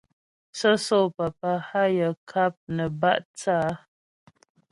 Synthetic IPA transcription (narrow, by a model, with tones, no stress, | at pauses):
sə˦so˦˨pa˨pa˦ha˦jə˨kʰa˦p̚nə˨ba̰˦ʔt͡saː˦